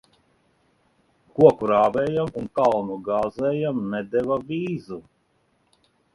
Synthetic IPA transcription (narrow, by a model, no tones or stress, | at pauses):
kuɔkuɾaːvɛːjamunkalˠnuɡaːzɛːjamnɛd̪ɛvavʲiːzu